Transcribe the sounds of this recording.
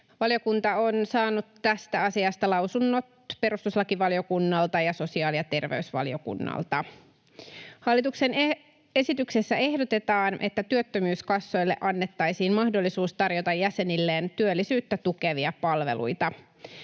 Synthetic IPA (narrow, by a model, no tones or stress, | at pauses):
ʋɑljo̞kunt̪ɑonsɑːnut̪ːæst̪æɑsiɑst̪ɑlɑwsunːo̞t̪pe̞ɾust̪uslɑkiʋɑljo̞kunːɑlt̪ɑjɑso̞siɑːlijɑt̪e̞rʋḛysʋɑ̰ljo̞kṵnːɑ̰lt̪ɑ | hɑlːit̪uksen | e̞sit̪yksesːæe̞hdot̪e̞t̪ɑːnʔe̞̰t̪ːæt̪yøt̪ːømyːskɑsːo̞jlːeʔɑnːe̞t̪ːɑjsiːnmɑhdo̞lːisuːst̪ɑrjot̪ɑjːæse̞nilːeːnt̪yølːisyːt̪ːæt̪ukeʋiɑpɑlʋḛlʔṵjt̪ɑ